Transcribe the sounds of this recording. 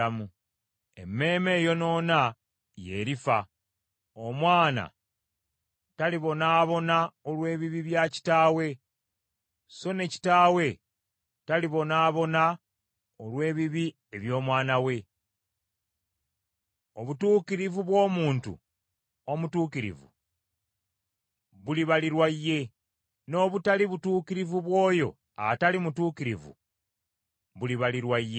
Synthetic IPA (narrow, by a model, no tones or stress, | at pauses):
amu | e̞̰mːe̞ːme̞ːjo̞no̞ːna | je̞ɾifa | o̞mwaːna̰ | taliβo̞naːβo̞naolwe̞ːβiβiβjaci̥taːwe̞ | so̞ne̞ci̥taːwe̞ | taliβo̞naːβo̞na | olwe̞ːβiβi | e̞βjo̞ːmwaːnawe̞ | o̞βutuːkiɾivuβwo̞ːmuːntṵ | o̞mutuːkiɾḭvṵ | βuliβaliɾwaijːe̞ | no̞βutaliβutuːkiɾivuβwo̞ːjo̞̰ | a̰talimutuːkiɾivṵ | βuliβaliɾwajːe̞